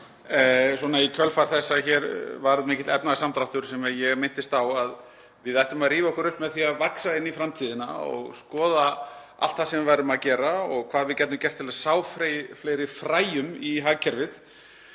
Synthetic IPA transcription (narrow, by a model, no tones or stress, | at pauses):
sɔnaikʰœlfaɾ̥θɛsːaçɛːɾvaɾðmɪːcɪt̪ɛpnaðsamt̪ɾawht̪ʏɾ̥sɛmɛðjɛɣmɪn̥t̪ɪst̪θawað | vɪðajht̪ʏmaðriːvaɔhkʏɾʏhpmɛðθiaðvaksaɪnːifɾamt̪ʰiːðɪna̰ɔ̰ɣskɔːða | a̰l̥t̪θasɛmvɪɾvajɾʏmaðcɛːɾaɔɣkʰv̥aːðvɪðcɛt̪nʏmcɛr̥t̪ʰɪlasaːwfɾflejɾɪfɾaːjʏmiɦaːcʰɛɾvɪð